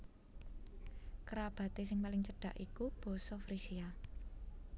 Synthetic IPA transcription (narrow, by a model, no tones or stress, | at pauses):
kəɾab̥ä̤t̪esɪŋpalɪŋt͡ʃəɖ̥a̤ʔikub̥ɔ̤sɔfɾisia